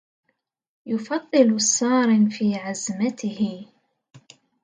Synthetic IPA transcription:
jʊfɑðˤːɨlsˤɑːɾɪnfiːʕazmat̪ɪhɪ

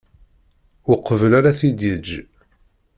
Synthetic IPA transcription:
ʊqəvəlaɾaθid̪jəd͡ʒː

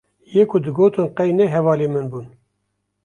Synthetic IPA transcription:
jekʰud̪ɨɡoːt̪ʰɨnqɛjnɛɦɛvɑːlemɨnbun

